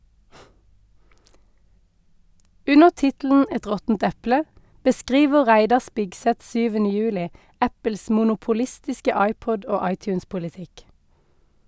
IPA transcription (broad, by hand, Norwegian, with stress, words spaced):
ˈʉnəʁ ˈtɪtl̩n̩ ˈɛt ˈʁɔtn̩t ˈɛplə bəˈskʁiːʋə ˈʁæɪdɑ ˈspɪɡsɛt ˈsyːʋən ˈjʉːlɪ ˈæpəls muːnʊpʊˈlɪstɪskə ˈɑɪˌpɔd ˈoː ˈɑɪˌtjʉːnspʊlɪˌtɪk